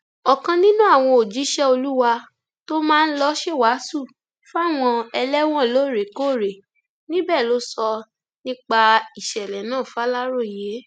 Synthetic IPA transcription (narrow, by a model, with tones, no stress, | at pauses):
ɔ˨kã˧nĩ˦nũ˦a˦˨w̃ɔ̃˧o˨d͡ʒi˨˦ʃɛ˦o˧lu˦wa˧ | to˦mãː˦˧n̩˦lɔ˦ʃe˦˨wa˨˦su˦˨ | fu˦a˦˨w̃ɔ̃˧ɛ˧lɛ˦w̃ɔ̃˦˨lo˨˦˨ɾe˨ko˦˨ɾe˨ | nĩ˦bɛː˦˨lo˦sɔ˧ | nĩ˦k͡pa˧i˨ʃɛ˨lɛ˨nãː˦˨fa˦la˦ɾo˦˨je˨˦